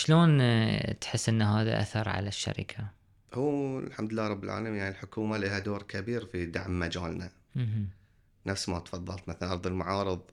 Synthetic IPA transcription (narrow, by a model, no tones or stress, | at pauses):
ʃloːnt̪ħɪsːʔɪnːɦaːða̰ʔa̰θɑɾˤʕa̰laʃːa̰ɾɪ̰kʰa | huːlħamd̪lːaːɾˤɑbːɪlʕa̰ːlamjaʕnilħʊkuːmalihad̪oːɾkʰabiːɾfid̪aʕmːad͡ʒaːlna | m̩ | nafsmat̪fɑðˤːɑlt̪maθaɑɾðˤɪlmaʕɑːɾɨðˤ